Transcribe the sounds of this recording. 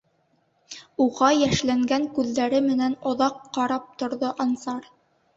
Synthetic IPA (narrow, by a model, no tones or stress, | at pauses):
uʁɑjæʃlæŋɡæŋkʉðːæɾɘmɘ̆nænŏðɑqːɑɾɑp̚t̪ŏɾðoʔɑnsɑɾ